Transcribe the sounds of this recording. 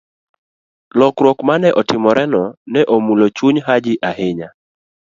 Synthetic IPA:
lɔkɾwɔkmanɛʔɔtɪmɔɾʔɛnɔnɛʔomulot͡ʃuɲɦad͡ʒɪʔaheɲa

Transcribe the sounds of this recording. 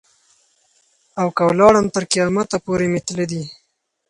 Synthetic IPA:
awkawlɑɽəmt̪əɾkijɑmat̪apoɾemet̪led̪i

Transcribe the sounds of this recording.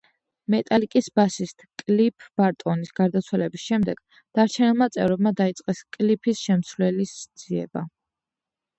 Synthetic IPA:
mɛt̪ʼalikʼisbasist̪ʰkʼlipʰb̥aɾt̪ʼɔnisɡ̥aɾd̪at̪sʰwalɛbisʃɛmd̪ɛɡ̥ | d̪̥aɾt͡ʃʰɛnɛlˠmat̪sʼɛ̰vɾɔb̚mad̪ait̪sʼqʼɛskʼlipʰisʃɛmsvlɛlisd̪z̥iɛ̰ba

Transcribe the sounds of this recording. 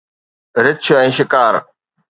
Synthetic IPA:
ɾɪt͡ʃʰʊɛ̃ːʃɪkaːɾ

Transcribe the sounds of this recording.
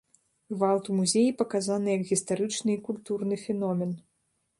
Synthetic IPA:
ɣvalˠt̪umuzʲejipɐkazanɨjɐkɣʲist̪aɾɨt͡ʂnɨikulʲt̪urnɨfʲɛnɔmʲɛn

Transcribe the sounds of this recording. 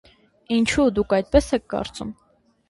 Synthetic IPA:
int͡ʃʰud̪ukʰɑjt̪̚pɛsɛk̚ʰkɑ̰ɾt͡sum

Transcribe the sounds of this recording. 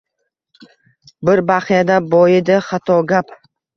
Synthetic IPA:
bɪɾbaχijad̪abɒjɪd̪ɪχɑt̪ʰɒɡʲap

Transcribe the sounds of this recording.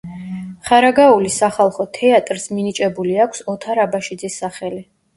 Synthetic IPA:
χaɾaɡaulisaχalˠχɔt̪ʰɛat̪ʼɾsminit͡ʃʼɛbuliakʷʰsɔt̪ʰaɾabaʃid̪zisːaχɛli

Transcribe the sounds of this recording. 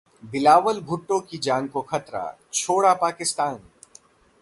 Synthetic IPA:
bɪlaːʋəlbʱʊʈːõkid͡ʒaːŋkoxɐt̪ɾa̰ːt͡ʃʰoːɽapaːkɪst̪aːn

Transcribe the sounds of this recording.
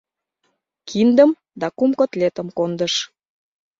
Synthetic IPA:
kʰind̪ə̆m | d̪ɑkumkŏt̪let̪ə̆mkond̪əʃ

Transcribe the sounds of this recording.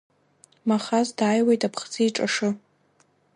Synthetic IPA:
maχazdaːjwejtʼapʰχt͡sɨiʈ͡ʂʼaʂɨ

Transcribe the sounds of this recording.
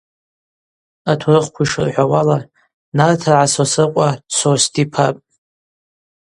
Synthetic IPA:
atʰurɨχʷkʷʰiʂɨ̰rħʷawala | nartʰarʕasosɨqʷʼasʰostʰipʰapʼ

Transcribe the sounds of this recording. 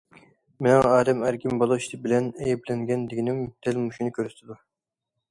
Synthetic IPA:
menɪŋɑːd̪ɛmæɾkʲimbɑlˠɑiʃt̪ʰɪbɪlɛnɛjɛblɛŋɡʲɛnd̪ɪɡʲinɪmd̪̥ɛlmuʃunɨkʲʰøɾyst̪ʰɪd̪u

